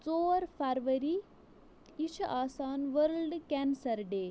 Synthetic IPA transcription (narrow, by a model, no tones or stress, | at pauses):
t͡soːɾfʰaɾʋɐɾi | iʃʰɐʔaːsaːnʋəɾlɖkɛnsɐɾɖeː